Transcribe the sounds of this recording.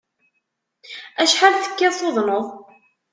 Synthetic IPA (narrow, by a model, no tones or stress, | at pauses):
æʃħalθə̥kːæsˤoðˤnoðˤ